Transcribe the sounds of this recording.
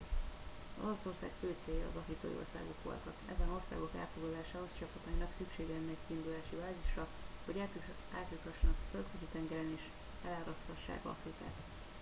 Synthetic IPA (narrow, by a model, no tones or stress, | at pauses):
zo̞lo̞so̞rsa̰ːkføːt̪seːjɒ̰ːzɒflit̪o̰ːjḭo̞̰rsa̰ːɡo̞kʋo̰lt̪ɒk̪ɛzɛno̞rsa̰ːɡo̞kɛ̰ːlfoɡlɒlaːʃaːɦo̞st͡ʃɒpɒt̪ɒinɒksykʃeːɡɛɛnːɛckiːnd̪ulaːʃibaːziʃrɒhoɟaːt | aːt̪ikɒʃnɒ̰kfølt̪køzit̪ɛŋɡɛlɛneːʃ | ɛlaːɾɒshɒʃːa̰ːkɒ̰frika̰ːt̪